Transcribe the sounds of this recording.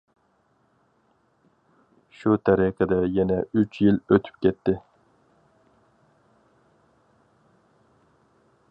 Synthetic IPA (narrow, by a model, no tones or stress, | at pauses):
ʃut̪ʰæɾiqʰəd̪ɛjɛnɛyt͡ʃʰjiløt̪ʰy̥p̚kʲɛt̪ʰːɪ